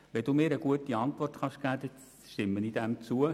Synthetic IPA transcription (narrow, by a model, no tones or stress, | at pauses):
ʋɛd̥uːmɪːɾəɡuətiɑnt̪ʋɔrtχɑʃkæːd̪ɛ | ʃtɪmːənid̥̪æmt͡suə